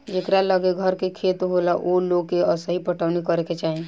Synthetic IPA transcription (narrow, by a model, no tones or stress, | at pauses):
d͡ʒekɾaləɡeɡʱəɾkekʰeːt̪ɦolaʔoloɡkeəsəɦipəʈʰəʋnikəɾeket͡ʃaːɦẽ